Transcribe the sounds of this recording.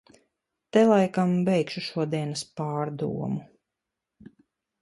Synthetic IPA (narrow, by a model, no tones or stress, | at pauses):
t̪ɛlˠajkambɛjkʃuʃuɔd̪iɛnaspaːɾd̪ṵɔmu